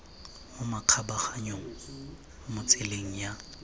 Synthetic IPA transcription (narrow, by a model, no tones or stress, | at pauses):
ʊmakʰabaχaɲoŋ̩ | mʊt͡sʰʼeleŋ̩ja